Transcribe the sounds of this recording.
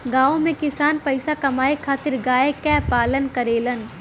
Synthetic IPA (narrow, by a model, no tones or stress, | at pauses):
ɡaːõmẽkɪsaːnpɐɪsakɐmaːekʰaːt̪ɪɾɡaːekɛːpaːlənkɐɾeːlən